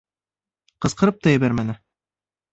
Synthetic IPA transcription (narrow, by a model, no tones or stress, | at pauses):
qɤ̆sqɤ̆ɾɤp̚t̪ɑjɘ̆βæɾmænɘ